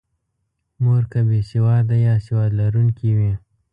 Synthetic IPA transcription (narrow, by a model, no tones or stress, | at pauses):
moɾkabesɪwɑd̪ajɑsɪwɑd̪laɾuŋkiwi